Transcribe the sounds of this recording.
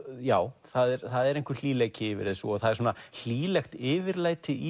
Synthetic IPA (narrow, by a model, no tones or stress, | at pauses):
jaːwθaðɛɾθaðɛɾejŋkvɪɾl̥iːlɛcɪvɪɾðesṵɔθaðɛɾsuːnal̥iːlɛxt̪ɪːvɪɾlaːjt̪ɪʔi